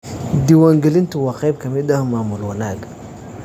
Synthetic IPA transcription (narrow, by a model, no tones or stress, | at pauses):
d̪iwaːŋɡɛlɪnt̪uwaqɛjb̚kʰɐmɪd̪ɐhmaːmulwɐnaɡ